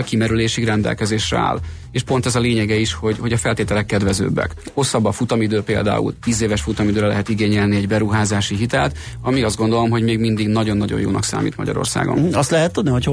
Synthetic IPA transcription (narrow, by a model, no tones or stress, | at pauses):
kimɛɾyleːʃiɡrɛnd̪ɛ̰lkɛzeːʃrɛ̰a̰ːl | eːʃpo̞nt̪ɛzɒleːɲɛɡɛiʃho̞ɟhoɟɒfɛlt̪eːt̪ɛlɛkːɛd̪vɛzø̰ːbːɛ̰kho̞sːɒbːɒfut̪ɒmid̪øːpeːld̪a̰ːṵlt̪iːzeːvɛʃfut̪ɒmid̪øːɾɛlɛ̰ɦɛt̪iɡeːɲɛlniɛɟbɛɾuɦaːzaːʃiɦit̪ɛlt̪ | ɒmiɒzd̪ɡo̞nd̪o̞lo̞mɦo̞ɟmeːɡmind̪iɡnɒɟo̞nːɒɟo̰jo̰ːnɒ̰ksa̰ːmḭːt̪mɒ̰ɟɒ̰ɾo̞̰rsa̰ːɡo̰nɒst̪lɛɦɛt̪ːud̪nihoc